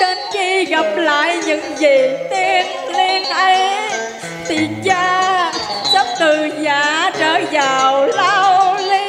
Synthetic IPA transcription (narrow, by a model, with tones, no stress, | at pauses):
t͡ɕe˧nxi˧ɣa˨˩p̚la̰ː˧˨jɲɨ̰˧˥ŋzi˨˩t̪i˧ən | li˧ənʔə˧j | t̪i˨˩ənt͡ɕaː˧ | t͡ɕə˦˥p̚t̪ɨ˨˩ɲaː˨˩˦t͡ɕəː˧˩˦zaː˨˩wla˧wli˧